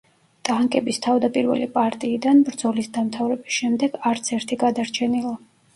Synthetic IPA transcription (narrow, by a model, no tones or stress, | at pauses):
d̪̥aŋkʼɛbist̪ʰavd̪apʼiɾvɛ̰lipʼaɾt̪ʼiːd̪anbɾd̪zɔlisd̪amt̪ʰavɾɛbisʃɛmd̪ɛɡaɾt̪sʰɛɾt̪ʰiɡad̪aɾt͡ʃʰɛnilˠa